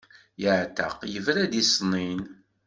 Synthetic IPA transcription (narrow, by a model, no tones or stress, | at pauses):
jəʕt̪ːa̰qjəvɾæd̪isnin